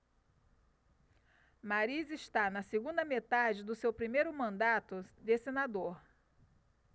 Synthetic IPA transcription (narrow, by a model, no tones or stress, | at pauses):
maɾiziʃt̪anɐseɡũnd̪ɐmet̪ad͡ʒɪd̪ʊsewpɾimejɾʊmɐ̃nd̪at̪ʊd̪esenad̪oɾ